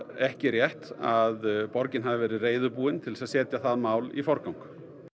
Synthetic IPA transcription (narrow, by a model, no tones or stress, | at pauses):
ɛhcɪrjɛht̪aðpɔɾcɪnɦavɪvɛːɾɪðreːjðʏpuːɪnt̪ʰɪlsaðsɛːt̪jaθaðmaːwlḭfɔɾkawŋk